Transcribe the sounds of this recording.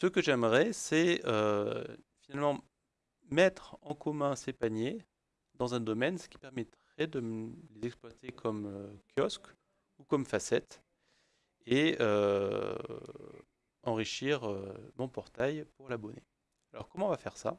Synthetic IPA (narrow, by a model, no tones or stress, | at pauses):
səkəʒɛmʁɛsɛø̰ | finalmɑ̃ | mɛt̪χɑ̃kɔmɛ̃sepaɲje | d̪ɑ̃zɛ̃d̪ɔmɛnsə̥kʲi̥pɛʁmɛt̪χɛd̪əlezɛksplwat̪ʰekʰɔmøkʲjɔsk | ukɔmfasɛt̪ | eø | ɑ̃ʁiʃiʁømɔ̃pɔʁt̪ajpuʁlabɔnḛ | alɔ̰ʁkɔmɑ̃vafɛʁsa̰